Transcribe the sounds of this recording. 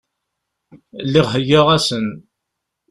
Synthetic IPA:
lːiʁɦəjəʁæsən

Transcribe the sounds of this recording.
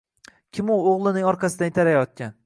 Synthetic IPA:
kʲʰɪmʊoʁlˠɪnɪŋɒɾqʰɑsɪd̪anɪt̪aɾajɒt̪̚kʲʰan

